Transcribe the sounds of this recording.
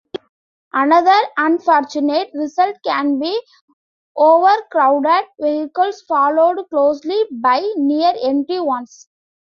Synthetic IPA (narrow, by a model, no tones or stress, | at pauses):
ʔɐnɐd̪əɾɐ̃nfɔːɾt͡ʃʊneʈɾɪsəlʈkæ̃nbiː | ʔoːʋəɾkɾaʊɖeɖʋeɦɪkəlsfɔːloːɖkloːslibaɪniːəɾẽmʈiʋʌ̃ns